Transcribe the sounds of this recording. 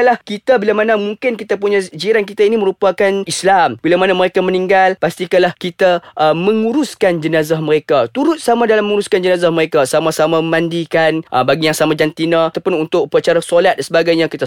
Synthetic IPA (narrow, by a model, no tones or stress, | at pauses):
lahkit̪abilamanamuŋkɪnkit̪apuɲad͡ʒiɾank̬it̪ainimə̃ɾupakanislambilamanaməɾekamə̃niŋɡalpast̪ikalahkit̪aʔmə̃ŋuɾuskand͡ʒənazahməɾekat̪uɾʊt̪̚samãdalamːə̃ŋuɾuskand͡ʒənazahməɾekasamasamaməmãndikanʔəbaɡijaŋsamad͡ʒant̪inãt̪awpʊnunt̪ʊk̚pəat͡ʃaɾasolat̪̚dansəbaɡajɲãkit̪a